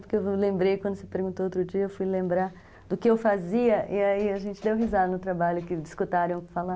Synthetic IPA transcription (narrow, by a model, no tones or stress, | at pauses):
pʊɾkeewlẽmbɾejkwɐ̃nd̪ʊsɪ̥peɾɡũt̪oowt̪ɾʊd͡ʒiɐewfujlẽmbɾaɾ | d̪ʊkɪewfaziɐʔiaiaʒẽnt͡ʃɪd̪ewɦizad̪ʊnʊt̪ɾabaʎʊkɪd͡ʒiskut̪aɾɐ̃w̃kfala